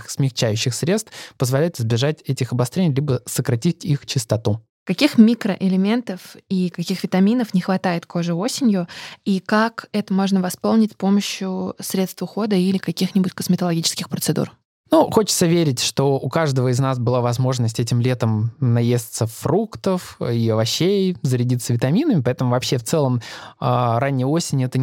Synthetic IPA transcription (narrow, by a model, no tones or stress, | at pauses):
xsmʲɪxt͡ɕæjʉɕːɪxsɾʲe̞t̪st̪pəzvɐlʲæjʊt̪ɪzbʲɪʐatʲɛtʲɪxɐbɐst̪ɾʲenʲɪjlʲibəsəkɾɐtʲitʲixt͡ɕɪst̪ɐt̪u | kɐkʲixmʲikɾəʔɪlʲɪmʲe̞nt̪əfikɐkʲixvʲɪt̪ɐmʲinəfnʲɪxvɐt̪ajɪt̪ko̞ʐɨo̞sʲɪnʲjʊikakɛt̪əmo̞ʐnəvɐspo̞lˠnʲɪtʲsʲpo̞məɕːjʊsɾʲe̞t̪st̪vʊxo̞d̪əilʲɪkɐkʲixnʲɪbʊtʲkəsmʲɪt̪əlˠɐɡʲit͡ɕɪ̥skʲɪxpɾət̪sɨd̪ṵr | nuxo̞t͡ɕɪ̥t̪səvʲeɾʲɪtʲʂt̪o̞ʊkaʐd̪əvəɪznas̬bɨlˠavɐzmo̞ʐnəsʲtʲɛtʲɪmlʲe̞t̪əmnɐjesʲt̪səfɾukt̪əfiɐvɐɕːejzəɾʲɪdʲit̪svʲɪt̪ɐmʲinəmʲɪpɐɛt̪əmʊvɐpɕːeft̪sɛlˠəmaɾanʲːɪjəosʲɪnʲɛt̪ə